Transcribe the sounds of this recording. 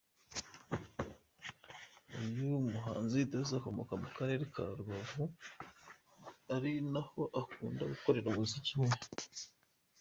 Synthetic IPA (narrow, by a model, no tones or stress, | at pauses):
ujumuɦa̰ːnzitazako̞mo̞̰kamukaɾe̞ɾekʰa̰ɾuβavu | aɾinaho̞ʔakuːnda̰ɡuko̞ɾe̞ɾaβuzicume